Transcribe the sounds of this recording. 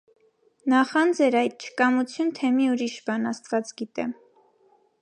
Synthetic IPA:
nɑχɑnd͡zɛɾɑjt̪̚t͡ʃʰə̥kɑmut͡sʰjunt̪ʰɛmiuɾiʃbɑnɑst̪vɑt͡sɡit̪ɛm

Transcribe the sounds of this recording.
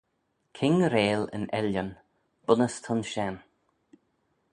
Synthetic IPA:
kʰɪŋɾeːlə̰nɛ̰ljən | b̥ʊnəst̪ʰʊnʃɛn

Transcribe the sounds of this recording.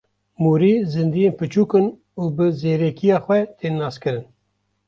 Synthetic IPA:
muːɾiːzɨnd̪ijeːnpɨt͡ʃuːkɨn | uːbɨzeːɾɛkʰijɑːxʷɛt̪ʰeːnːɑːskɨɾɨn

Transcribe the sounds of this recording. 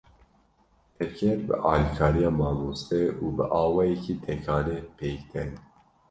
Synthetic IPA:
ɛɾkʲʰɛɾbɨ̰ʔɑːlikʰɑːɾijɑːmɑːmuːsɛuːbɨʔɑːwɑːjɛkʰiːt̪ʰɛkʰɑːnepʰeːkt̪ʰɛn

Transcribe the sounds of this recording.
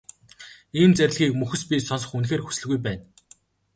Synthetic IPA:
iːmt͡sæɾʲɪ̆ɮɣiːkmɵxɘ̆spʲisɔns̬ɞ̥̆χunxeːrxu̥sɘ̆ɮɣujp̬æːn

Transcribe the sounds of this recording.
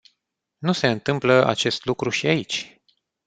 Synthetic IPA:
nuse̞ɨnt̪ɨmpləʔa̰t͡ʃe̞st̪lukɾuʃiait͡ʃʲ

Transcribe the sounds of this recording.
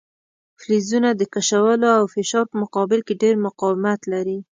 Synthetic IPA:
flizunad̪əkaʃawəloawfɪʃɑɾpəmʊqɑbɪlkeɖeɾmʊqɑwɪmat̪laɾi

